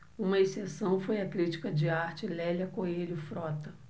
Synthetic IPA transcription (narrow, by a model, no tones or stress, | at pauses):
ũmɐesesɐ̃w̃fojɐkɾit͡ʃi̥kɐd͡ʒɪaɾt͡ʃɪlɛlʲɐkoelʊfɾɔt̪ɐ